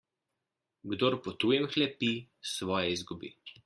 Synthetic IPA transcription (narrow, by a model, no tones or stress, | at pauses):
ɡd̪oːɾpɔt̪uːjɛmxlɛpisʋɔːjɛizɡubḭ